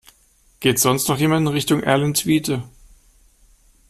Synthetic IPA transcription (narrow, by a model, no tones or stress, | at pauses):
ɡ̥eːtz̥ɔnstnɔχjeːmandnʁɪçtʊŋʔɛ̰ɐləntv̥iːtə